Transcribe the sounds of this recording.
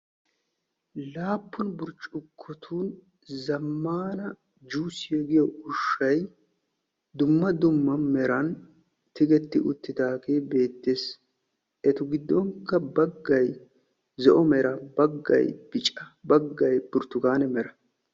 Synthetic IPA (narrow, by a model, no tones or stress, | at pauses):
laːpːʊnbʊɾt͡ʃʼʊkʰːɔt̪ʰuːn | zɐmːaːnɐ | d͡ʒuːsɪjɛɡɪjɔʊʃːɐj | d̪ʊmːɐd̪ʊmːɐmɛɾɐn | t̪ɪɡɛt̪ːɪʔʊ̰t̪ːɪt̪aːkeːbe̞ːt̪ːeːs | ʔɛt̪ʊɡɪd̪ːɔŋkːɐbɐɡːɐj | zɛʔɔmɛɾɐbɐɡːɐ̰jb̥ɪt͡ʃʼɐbɐɡːɐjbʊɾt̪ːʊɡaːnɛmɛɾɐ